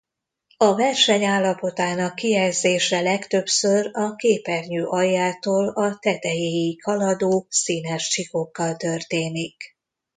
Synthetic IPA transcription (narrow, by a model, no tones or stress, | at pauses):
ɒvɛrʃɛɲaːlːɒpo̞t̪aːnɒkːijɛlzeːʃɛlɛkt̪ø̞psørɒkeːpɛrɲøːʔɒjːaːt̪oːlɒt̪ɛt̪ɛjeːjikʰɒlɒd̪oːsiːnɛʃt͡ʃiko̞kːɒlt̪ørt̪eːnik